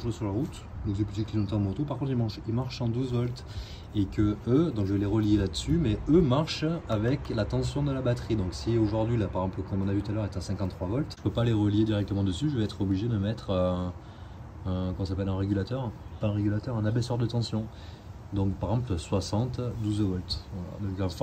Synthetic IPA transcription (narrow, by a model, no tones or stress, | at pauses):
ʒasyʁlaʁut̪ | d̪ɔ̃ŋksɛplyt̪ikinɔ̃t̪ɑ̃mot̪opaʁkɔ̃t̪χilmɑ̃ʃilmaʁʃɑ̃d̪uzvɔlt̪ | ekəød̪ɔ̃ŋkʒəveleʁəljelad̪əsymɛømaʁʃavɛklat̪ɑ̃sjɔ̃d̪əlabat̪χid̪ɔ̃ksioʒuʁd̪ɥilapaʁeɡzɑ̃plkɔ̃mɔ̃navyt̪ut̪alœʁet̪asɛ̃ŋkɑ̃t̪t̪ːχwavɔlt̪ʒəpøpaleʁəljed̪iʁɛk̚t̪əmɑ̃d̪əsyʒəvɛɛt̪χɔbliʒed̪əmɛt̪χø | kɔmɑ̃sapɛlɛ̃ʁeɡʲylat̪œʁpaɛ̃ʁeɡʲylat̪œʁɛ̃nabɛsœʁd̪ət̪ɑ̃sjɔ̃ | d̪ɔ̃kpaʁeɡzɑ̃plswasɑ̃t̪d̪uzvɔlt̪vala̰d̪ɔ̃kɑ̃f